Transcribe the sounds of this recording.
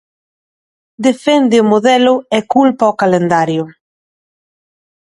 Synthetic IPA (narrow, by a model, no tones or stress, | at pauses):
d̪efɛnd̪ɪʊmoðɛlʊɛkulpaokalend̪aɾjʊ